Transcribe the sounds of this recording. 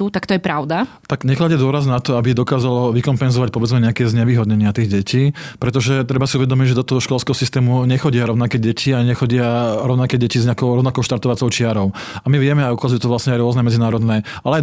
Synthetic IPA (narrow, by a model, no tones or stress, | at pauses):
ut̪akt̪ɔjɛpɾaʊd̪a | t̪aɡɲɛxlaɟad̪ʊɔɾaznat̪ɔabiɛd̪ɔkaːzalɔʋikɔmpɛnzɔʋac̚pɔʋɛd͡zmɛɲɛakɛːzɲɛʋiːɦɔd̪ɲɛɲɪat̪iɣɟɛciːpɾɛt̪ɔʒɛt̪ɾɛbasiuʋɛd̪ɔmiɟʒɛd̪ɔt̪ɔɦɔʃkɔlskɛːɦɔsist̪ɛːmuɲɛxɔɟɪaɾɔʊnakɛːɟɛcʰiaɲɲɛxɔɟɪaɾɔʊnakɛɟɛcizɲɛakɔʊɾɔʋʊnakɔʊʃt̪aɾt̪ɔʋat͡sɔʊt͡ʃɪaɾɔʊ | amiʋɪɛmɛajukazujut̪ɔʋlasɲɛaɪɾʊɔznɛmɛd͡zinaːɾɔd̪nɛ | ʔalɛ